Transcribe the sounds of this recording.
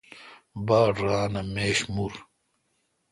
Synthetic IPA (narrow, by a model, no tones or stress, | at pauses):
baːɖɾaːnɐmeːɕmuɾ